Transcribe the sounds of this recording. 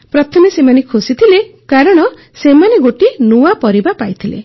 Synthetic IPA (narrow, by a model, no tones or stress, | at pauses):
pɾɔt̪ʰɔmesemanekʰusit̪ʰilekaɾɔɽ̃ɔ | semaneɡoʈinuapɔɾibapajt̪ʰilḛ